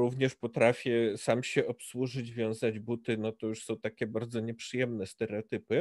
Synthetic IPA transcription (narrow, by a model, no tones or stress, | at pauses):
ɾuvɲɛʂpɔt̪ɾafʲjɛsamɕɛʔɔpswuʐɘd͡ʑvʲjɔ̃w̃zad͡ʑbut̪ɘnɔt̪ɔjuʂsɔ̃w̃t̪akʲɛbaɾd̪zɔɲɛpʂɨjɛmnɛst̪ɛɾɛɔt̪ɘpɘ